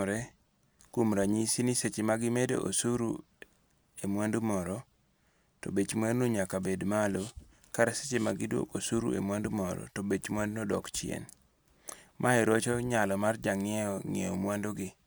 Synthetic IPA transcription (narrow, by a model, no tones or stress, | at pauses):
ɾɛ | kumɾaɲisiniset͡ʃemaɡɪmedḛʔo̰suɾṵ | emwandumɔɾɔ | tɔ̰bet͡ʃmwadnoɲakabedmalo | kaɾase̥t͡ʃemaɡɪdwo̰kosuɾṵʔḛmwandumɔɾɔ̰tɔbet͡ʃmwandnɔdɔ̰kt͡ʃɪḛn | mʔaɛɾot͡ʃɔɲalɔmard͡ʒaŋɪɛɔŋḛo̰mwandoɡɪ